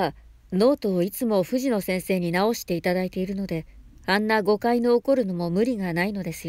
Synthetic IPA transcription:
a | no̞ːt̪o̞ːit͡sɨmo̞ɸɯ̟ʑino̞sẽ̞ɰ̃se̞ːɲ̟inao̞ɕi̥t̪e̞it̪ad̪ait̪e̞iɾɯ̟no̞d̪e̞ | anːaɡo̞kaino̞ːko̞ɾɯ̟no̞mo̞mɯ̟ɾʲiɡanaino̞d̪e̞sɨjo

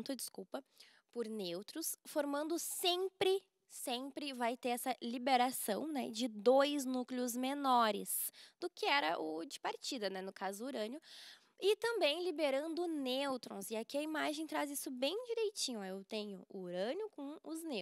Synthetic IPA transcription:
t̪ʊɐd͡ʒɪskuwpɐ | pʊɾnewt̪ɾʊsfoɾmɐ̃nd̪ʊsẽmpɾɪ | sẽmpɾɪvajt̪eɾɛsɐlibeɾasɐ̃w̃nɛ̰d͡ʒɪd̪ojznuklɪʊzmenɔɾɪ̰sd̪̥ʊkɪɛɾɐʔʊd͡ʒɪpaɾt͡ʃid̪ɐnɛnʊkazʊuɾɐ̃njʊ | ɪt̪ɐ̃mbẽj̃libeɾɐ̃nd̪ʊnewt̪ɾõ̰w̃zɪakiɐimaʒẽj̃t̪ɾazisʊbẽj̃d͡ʒiɾejt͡ʃĩɲʊewt̪ẽɲʊuɾɐ̃njʊkõʊzne

